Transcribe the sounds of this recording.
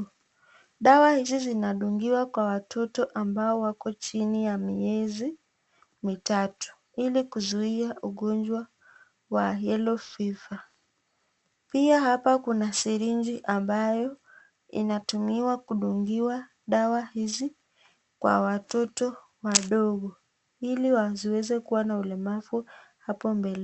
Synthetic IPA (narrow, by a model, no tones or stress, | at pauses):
ɗawahizizinaɗuŋɡiwakwawatʰɔtɔʔambaɔwakɔt͡ʃinijamiɛzi | mitatu̥ | ilikuzuiaʔuɠɔnd͡ʒwa | wajɛlɔfifa | piahapakunasiɾind͡ʒiʔambajɔ | ḭnatumiwakuɗuŋɡiwa | ɗawahizi | kwa̰watɔtɔ | waɗɔɠɔ | iliwaziwɛzɛkuwanaulɛmafuhapɔmbɛlɛ